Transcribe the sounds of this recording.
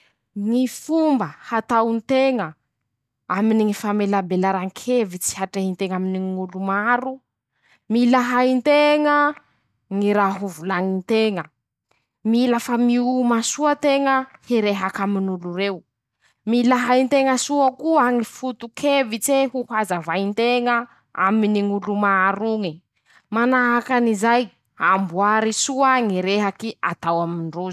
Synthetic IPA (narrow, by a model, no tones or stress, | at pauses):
ŋifumbəhat̪awnt̪eŋə | aminiŋifamelabelaɾaŋkʰevit͡si̥haʈ͡ʂeɦint̪eŋaminiŋŋulumaɾu | milaɦaint̪eŋə | ŋiɾaɦuvulaŋint̪eŋə | milafamiumasuat̪eŋəheɾeɦakaminuluɾew | milaɦaint̪eŋəsuakuaŋifut̪ukʰevit͡seɦuhazavaint̪eŋə | a̰miniŋulumaaɾuŋi | manaɦakanizaj | ambuaɾisuaŋiɾeɦakia̰t̪awamiɳɖ͡ʐuz̥